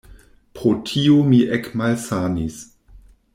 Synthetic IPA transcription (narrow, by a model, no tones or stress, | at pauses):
pɾotʰiomiʔekmalsanis